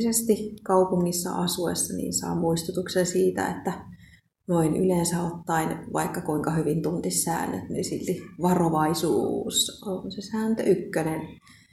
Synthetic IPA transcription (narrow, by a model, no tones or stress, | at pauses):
sest̪ikɑupuŋːisːɑ̰ʔɑsuḛsːɑnḭːnsɑ̰ːmuist̪ut̪uksensiːt̪æ̰ḛt̪ːæ | noiny̰lensæot̪ːɑinʋɑ̰ikːɑkuiŋkɑhyʋint̪unt̪issæ̰ːnːø̰t̪nisilt̪iʋɑroʋɑisṵsonsesæːnt̪ø̰ʔykːønen